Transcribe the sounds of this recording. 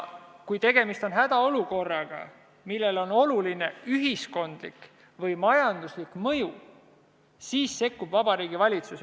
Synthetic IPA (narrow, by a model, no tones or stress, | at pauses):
kujt̪e̞ɡ̥e̞mist̪o̞nɦæd̪ɑo̞luko̞rːɑɡ̥ɑ̰ | milːe̞lo̞no̞luline̞yɦisko̞nd̪̥lik | vɤjmɑjɑnd̪̥uslikmɤju | siːsːe̞kːub̥vɑbɑɾiːɡivɑlʲit̪sus